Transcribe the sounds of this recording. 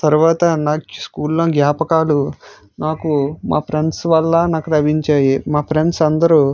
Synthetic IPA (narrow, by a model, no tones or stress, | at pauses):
t̪ɐɾuʋaːt̪ɐnaːskuːlːoːnɡjaːpɐkaːlu | naːkumaːpʰɾeɳɖsʋɐlːɐnaːkuʈ̪ɐbiɲt͡ʃaːjimaːpʰɾeɳɖsɐnd̪ɐɾu